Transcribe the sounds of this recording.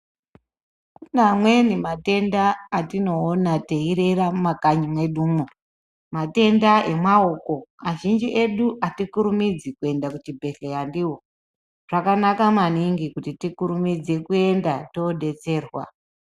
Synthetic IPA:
kunamwe̞nimate̞ndaːtino̞ːnateiɾe̞ramakaɲimwe̞ɗuːmo | mate̞ndae̞mwaoko̞aʒind͡ʒiʔe̞ɗuʔatikuɾumid͡zikue̞ndakutibʱe̞ɬejandiwo | ʐ̥akanakamaniŋɡikutitikuɾumid͡ze̞kue̞ndatoɗe̞t͡se̞ːrwa̰

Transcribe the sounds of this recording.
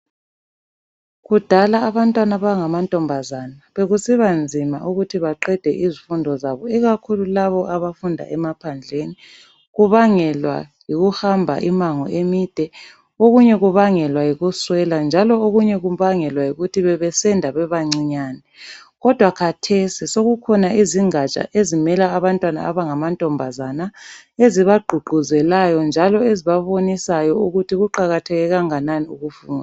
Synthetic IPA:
ɣud̥ʱalaːβantʼwanaβaŋamantʼɔmbʱazanaβeɣusiβand͡zʱima̰ʔuɣutʰiβaǃɛd̥ʱɛ̰ʔizifundʱɔzaβɔiɣakʰululaβɔʔaβafundʱa̰ʔɛmapʰand͡ɮʱeni | ɣuβaŋɛlwa̰jiɣuhambʱa̰ʔimaŋɔ̰ʔemid̥ʱɛ | oɣuɲɛɣuβaŋɛlwajiɣuswɛland͡ʒʱalɔoɣuɲɛɣuβaŋɛlwajiɣutʰiβɛβɛsɛndʱaβɛβaŋ͡ǀiɲaːnɛɣɔd̥ʱwakʰatʰesisoɣukʰɔnaʔiziŋat͡ʃʼa̰ʔezimɛlaːβantʼwana̰aβaŋamantʼɔmbʱazanaeziβaɡ͡ǃʱuɡ͡ǃʱuzɛlajɔnd͡ʒʱalɔeziβaβonisajɔuɣutʰiɣuǃaɣatʰɛɣɛɣaŋananiuɣufuːnda

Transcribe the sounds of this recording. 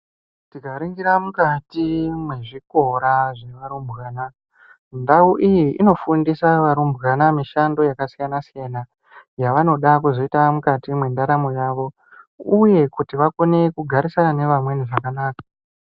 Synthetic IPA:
tikaɾiŋɡiɾamukatimweʐiko̞ɾaʐe̞ʋaɾumbɣaːna | ndauʔijiʔino̞fundisaʋaɾumbɣanamiʃando̞jakasijanasijana | jaʋano̞ɗakuzo̞itamukatimwendaɾamo̞jaːʋo̞ | uje̞kutiʋako̞ne̞kuɡʱaɾisanane̞ʋamwe̞niʐakanaːkḁ

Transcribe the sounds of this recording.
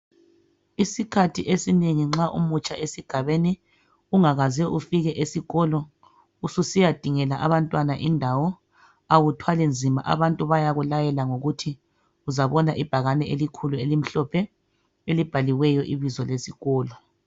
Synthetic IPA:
isikʰatʰiʔesineŋiŋ͡ǁaʔṵmut͡ʃʼaʔesiɡ̥ʱaβeni | uŋaɣazɛʔufiɣɛʔesiɣɔlɔ | ususijad̥ʱiŋɛlaʔaβantʼwanaʔindʱawɔ | awutʰwalɛnd͡zʱima̰ʔa̰βantʼuβajaɣulajɛlaŋoɣutʰi | uzaβɔnaʔib̥ʱaɣanɛelikʰuluelim̩ɬɔpʰɛ | elib̥ʱaliwɛjɔʔiβizɔlesiɣɔːlɔ

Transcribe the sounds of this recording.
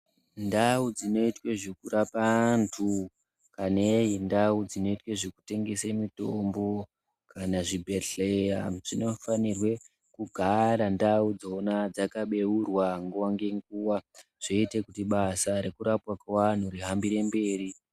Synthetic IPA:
ndaud͡zino̞itwe̞ʐekurapantʰu | kaneindaud͡zino̞itwe̞ʐeku̥te̞ŋɡe̞semitombo̞ | kʰanaʐibʱeɬeraʐino̞fanirwe̞ | kuɡʱaɾandaud͡zonad͡zakaɓe̞urwaŋɡuwaŋɡe̞ŋɡuwaʐ̥e̞ite̞kutiɓasaɾe̞kuɾapwakewan̤uɾiɦambiɾe̞mbe̞ːri

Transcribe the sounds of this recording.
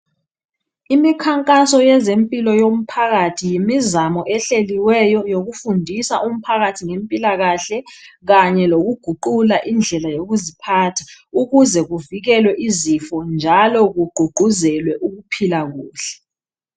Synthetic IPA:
imikʰaŋkʼasɔjɛzempʼilɔjom̩pʰaɣatʰijimizamɔʔɛɬeliwɛjɔjoɣufundʱisaʔum̩pʰaɣatʰiŋempʼilaɣaɬɛɣaɲɛloɣuɡ̥ʱuǃulaʔind͡ɮʱɛlajoɣuzipʰaːtʰḁuɣuzɛɣuviɣɛlwɛʔizifɔnd͡ʒʱalɔɣuɡ͡ǃ̥ʱuɡ͡ǃʱuzɛlwɛʔuɣupʰilaɣuːɬɛ̥

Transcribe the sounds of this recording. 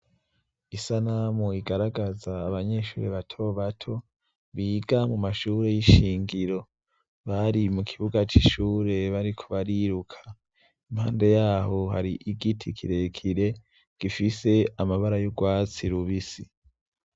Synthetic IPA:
isanamoiɡaɾaɡazaːβaɲe̞ʃuːɾeβatʰo̞βatʰo̞ | βiːɡamumaʃuːɾe̞jiʃiːŋɡiɾo̞ | βaɾimukʰiβuɡat͡ʃiʃuːɾe̞βaɾikʰoβaɾiɾukʰḁ | imha̰ːnde̞jaːho̞ɦa̰ɾiʔiɡitʰikʰiɾe̞kʰiɾe̞ | ɡ̥ifise̞amaβaɾajoɡwaːt͡siɾuβisi

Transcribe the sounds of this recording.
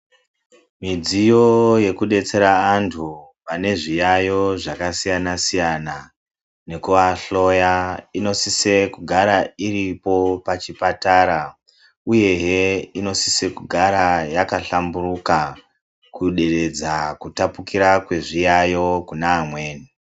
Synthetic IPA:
mid͡zijo̞je̞kuɗe̞t͡se̞ɾaːntʰuʋane̞ʐijajo̞ʐakasijanasijana | ne̞kuʋaɬo̞jaino̞sise̞kuɡʱaɾairipo̞pat͡ʃipataɾa | uje̞ɦeino̞sise̞kuɡʱaɾajakaɬamburuka | kuɗe̞re̞d͡zakutapukiɾakwe̞ʐijajo̞kunaːmwe̞ːni

